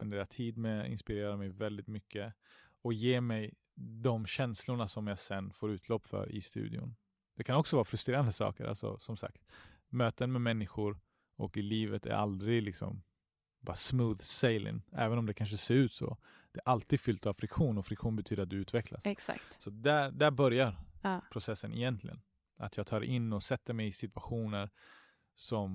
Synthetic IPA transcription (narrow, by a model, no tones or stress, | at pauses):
pɛnd̪eːɾat̪ʰiːd̪mɛɪ̰nspɪɾeːɾaɾmɛjvɛld̪ɪt̪mʏkːəɔkjeːmɛj | d̪ɔmɕɛnslʊɳasɔmjasɛnːfoːɾʉ̟ːt̪ʰlɔpːfœ̰ːɾɪ̰st̪ʉ̰ːd̪ɪ̰ʊ̰n | d̪̥ɛkʰanɔksɔvɑːɾafɾɵst̪ɾeːɾand̪əsɑ̰ːkəɾʔa̰lsɔ̰sɔmsa̰k̚t̪møːt̪ənmɛmɛnːɪɧʊɾ | ɔ̰kɪliːvət̪ʰæ̰ɾʔa̰ld̪ɾɪɡlɪksɔ̰m | bɑ̰ːɾasmuːðseɪlɪ̰ŋæ̰ːvənɔmd̪ɛkʰanʂ̬əseːɾʉ̟ːt̪sɔ̰ | d̪̥ɛʔalt̪iːɡ̪fʏlt̪avfɾɪkɧuːnɔfɾɪkɧuːnbɛt̪ʰyːd̪əɾat̪d̪ɵʉ̟ːt̪vɛkla̰ssa̰k̪sɔat̪̚d̪æd̪æɾbœɾjaɾpʰɾʊsɛsːənɛjɛnt̪ʰlɪɡə̰n | a̰t̪jɑːɡ̚t̪ʰɑːɾɛ̰ʔɪnːɔsɛt̪ːəɾmɛjɪsɪt̪ɵ̥aɧuːnəɾ | sɔm